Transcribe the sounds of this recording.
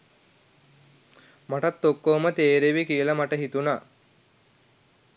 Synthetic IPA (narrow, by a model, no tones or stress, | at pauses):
maʈat̪ːokːomət̪eːɾeʋikijəlamaʈəɦit̪unaː